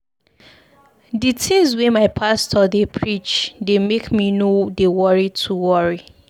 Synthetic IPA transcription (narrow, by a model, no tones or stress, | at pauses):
ditʰezwemaɪpʰastʰɔdepʰɹit͡ʃdemekminodewɔɹitʰuwɔɹi